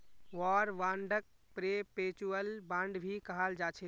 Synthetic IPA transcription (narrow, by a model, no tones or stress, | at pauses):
ʋɔɾʋãɳɖək̚pɾepet͡ʃuəlbãɳɖbʱikəɦald͡ʒat͡ʃʰɛ